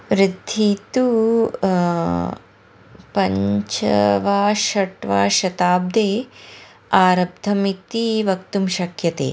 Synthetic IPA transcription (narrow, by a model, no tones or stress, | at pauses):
ʋɾɪd̪ʱːit̪u | pɐɲt͡ʃɐ̰ʋaːʃɐʈʋaːʃɐt̪aːb̚d̪eː | aːɾɐb̚d̪ʱɐmit̪iʋɐkt̪umʃɐkjɐt̪ḛː